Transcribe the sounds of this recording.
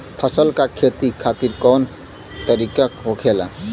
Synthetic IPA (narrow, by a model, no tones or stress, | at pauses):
pʰasɔlkakʰːet̪ikʰat̪iɾkɔn | t̪aɾikakɦokʰela̰